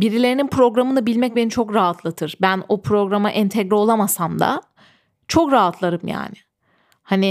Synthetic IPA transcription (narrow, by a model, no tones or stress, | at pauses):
biɾilʲe̞ɾininpɾo̞ɡɾamɯnabilʲmɛc̚be̞nit͡ʃʰo̞kɾaɦat̪ʰlˠɯt̪ʰɯɾ̥bænopʰɾo̞ɡɾamaʔɛnt̪ʰɛɡɾɛo̞lˠamasamd̪a̰ | t͡ʃʰo̞kɾaɦat̪ʰlˠaɾɯmja̰ːnɪ | hanɪ